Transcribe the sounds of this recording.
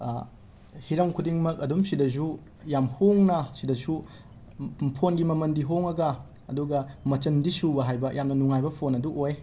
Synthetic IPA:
hiɾɐŋkʰudiŋmɐkɐdumsidɐzu | jamhoŋnɐsidɐsu | pʰonɡimɐmɐndiɦoŋɐɡɐː | duɡɐmɐt͡ʃɐndisubɐɦajbɐjʔamnɐnuŋajbɐpʰonɐduʔoj

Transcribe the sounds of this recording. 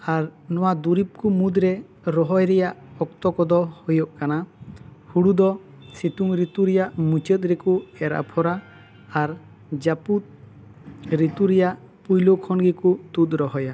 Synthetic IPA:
aɾnɔwad̪uɾip̚kumud̪ɾɛ | ɾɔɦɔjɾɛjaʔɔk̚t̪ɔkɔd̪ɔhɔjɔʔkanahuɽud̪ɔ | sit̪uŋɾit̪uɾɛjaʔmut͡ʃət̪̚ɾɛkuɛɾa̰pʰɔɾaː | ɾ | d͡ʒaput̪̚ | ɾit̪uɾɛjaʔ | pujlokʰɔnɡikut̪ut̪ɾɔɦɔja

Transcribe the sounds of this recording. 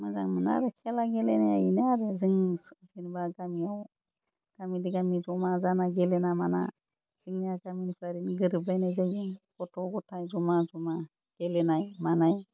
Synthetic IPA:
maza̰ŋməna̰ɾɯkʰɛlaɡɛlɛnaja̰jinaɾɯzɯŋzinbaɡamiaw | ɡ̥amidiɡamizɔmazanaɡɛlɛnamana̰ | siŋnaɡaminpʰaɾinɡɯɾɯbajnajzajzinkɔtʰɔwɡɔtʰajzɔmazɔma | ɡ̥ɛlɛnajmanaj

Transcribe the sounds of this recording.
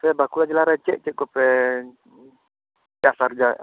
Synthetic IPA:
sajabakulad͡ʒilaɾat͡ʃɛ̰ʔt͡ʃɛʔkupɛ | t͡ʃasard͡ʒa

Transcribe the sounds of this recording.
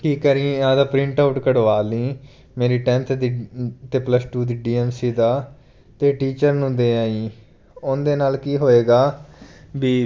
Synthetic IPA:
ʈiːkːəɾĩːɪãːd̪aːpɾɪ̃ɳʈaːʊʈkəɽʋaːlĩː | meːɾiːʈɛ̃nt̪ʰd̪it̪eːpləsʈuːd̪iːɖiːɛːmsiːd̪aː | t̪eːʈiːt͡ʃəɾnũːd̪eːaːiː | ʊnd̪eːnaːlkiːɦoːeːɡaːbiː

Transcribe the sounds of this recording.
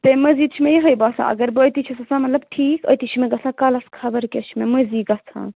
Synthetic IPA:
t̪emɐziːd̪̚t͡ʃʰimẽjiɦɐjbasã̰ʔɐ̰ɡɐɾbɨət̪it͡ʃʰisɐsãmɐt̪lɐb̚ʈʰiːkə̰t̪it͡ʃʰimẽɡɐsãkɐlɐskʰɐbɐɾkʲet͡ʃʰimemɐziːɡɐt͡sʰã̰ː

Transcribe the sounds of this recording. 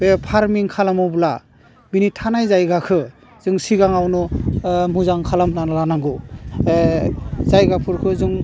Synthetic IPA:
bepʰaɾmiŋkʰalamɔbla | binitʰanajzajɡakʰɯ | z̥ɯŋsiɡaŋawnɔmuzaŋkʰalamnanlanaŋɡɯ | zajɡapʰuɾkʰɯzɯŋ

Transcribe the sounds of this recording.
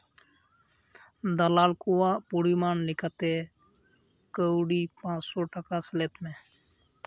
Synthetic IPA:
d̪əlaːlkuwaːpuɽimaːnnɪkət̪eː | kəwɽiːpãːt͡ʃsoːʈəkasəleːt̪mẽː

